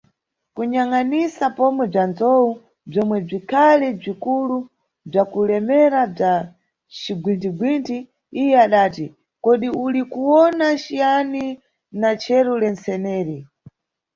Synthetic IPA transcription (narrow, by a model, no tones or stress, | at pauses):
kuɲaŋanisapɔmwɛb͡ʐand͡zɔu | b͡ʐɔmwɛb͡ʐikʰalɛb͡ʐikulu | b͡ʐakulɛmɛɾab͡ʐa | t͡ʃiɡwintiɡwintʰi | ijɛaɗaːti | kɔɗiulikuwɔnaʃijani | nat͡ʃʰɛɾulɛnt͡sɛnɛːɾi